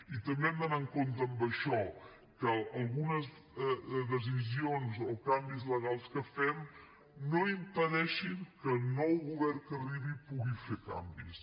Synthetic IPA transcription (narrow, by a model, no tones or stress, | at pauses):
it̪əmɛmd̪ənaŋkont̪əːmbəʃɔ | kəːlˠɣunəz | ðəzizionzokambizləɣ̞alˠskəfɛm | noimpəðɛʃiŋkəlˠnɔwɣuβɛrkəriβipuɣifeka̰mbis